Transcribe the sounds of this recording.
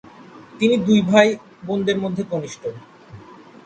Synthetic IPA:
t̪inid̪ujbʱaj | bond̪eɾmod̪ʱːeɡoniʃʈʰo

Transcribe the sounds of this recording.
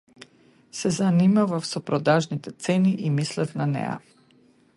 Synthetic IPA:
sɛzanimavafsɔpɾɔd̪aʒnit̪ɛt̪sɛniʔimislɛfnanɛ̰ja̰

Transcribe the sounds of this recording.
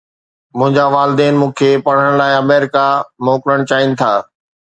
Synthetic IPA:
mʊ̃ɦɪ̃ɲd͡ʑaʋaːlɪd̪ɛːnmũːkʰeːpɐɽ̤əɽ̃laːɪɐmɛːɾɪkamoːkɾəɽ̃t͡ɕaːɪnɪ̆t̪ʰaː

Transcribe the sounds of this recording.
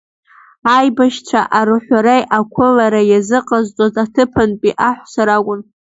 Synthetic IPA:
ajbaʃt͡ʃʷʰaʔaɾɨħʷaɾejʔakʷʰʊlaɾajazɨqʼazt͡sʷʼozatʰɨpʰanpʼiʔaħʷsaɾakʷʼʊn

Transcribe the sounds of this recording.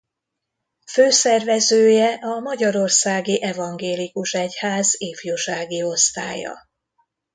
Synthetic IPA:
føːsɛrvɛzøːjɛʔɒmɒɟɒɾo̞rsaːɡiʔɛvɒŋɡeːlikuʃɛchaːzeːfjoːʃaːɡio̞st̪a̰ːjɒ̰

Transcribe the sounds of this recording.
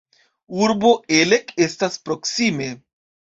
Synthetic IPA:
uɾboʔelekestaspɾoksime

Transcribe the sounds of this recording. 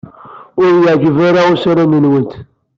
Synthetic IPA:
ʊɾjʕɡvaɾaʊsɾanənwənt̪

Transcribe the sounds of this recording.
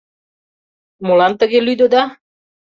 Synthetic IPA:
molɑnt̪əɣelyd̪od̪ɑ

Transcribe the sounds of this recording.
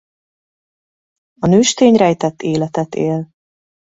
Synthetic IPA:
ɒnøːʃt̪eːɲrɛjt̪ɛt̪ːeːlɛt̪ɛt̪eːl

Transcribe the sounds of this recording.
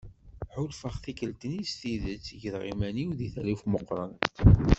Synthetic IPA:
ħʊlfəχθikəlt̪ənist̪iðət͡sːʝəðʁimæniwðiθælifməqːɾˤɑnt̪

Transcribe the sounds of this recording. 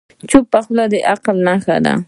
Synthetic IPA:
t͡ʃʊpːaχlad̪eʔaqlnaxa̰d̪a̰

